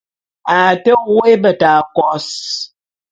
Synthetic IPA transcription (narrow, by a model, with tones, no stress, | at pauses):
a˨tə˦we˦bə˨ta˨kɔ˨˦s